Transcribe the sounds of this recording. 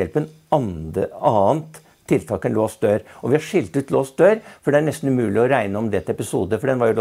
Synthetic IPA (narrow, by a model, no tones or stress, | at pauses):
ɛlpən | nɑːənt̪ʰː | ɪlt̪ʰɑːkɛnloːsd̪øːɾɔʋɪhɑʂɪlt̪ʉːt̪loːsd̪øːɾfɔɖɛæɳɛst̪n̩ʉmʉːlɪɔɾæɪnəɔmd̪ɛt̪ɛpɪsṵːd̪əfɔɖɛnʋɑɾjʊl